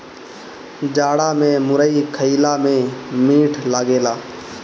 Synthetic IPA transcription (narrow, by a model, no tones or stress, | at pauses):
d͡ʒaːɽamẽmʊɾəikʰəɪlamẽmiːʈʰlaːɡeːlaː